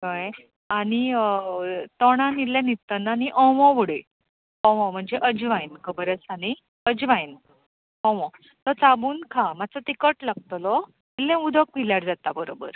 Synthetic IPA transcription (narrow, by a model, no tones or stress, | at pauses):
təj | aɽ̃i | t̪ɔɽ̃ãnilãnit̪ːənːaniʔɔ̃ʋɔ̃ʋuɽe | ɔ̃ʋɔ̃m̤əɳd͡zeʔəd͡ʑʋãjnkʰəbəɾət͡sañi | əd͡ʑʋãjn | ɔ̃ʋɔ̃ | t̪ɔt͡sabuːnkʰamat͡sət̪ikəʈlaɡ̚t̪lɔ | ilːẽud̪ʱək̚piljaɾd͡zat̪abəɾobə̰ɾ